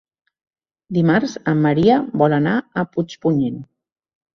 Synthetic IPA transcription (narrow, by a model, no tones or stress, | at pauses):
d̪imaɾzəmːəɾiəbɔlənaəput͡ʃpuɲen